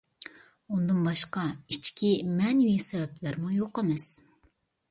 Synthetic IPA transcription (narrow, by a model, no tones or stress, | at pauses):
und̪ɨnbɑʃqɑit͡ʃkʲimɛniwisɛvɛplɪɾmujoqəmɪs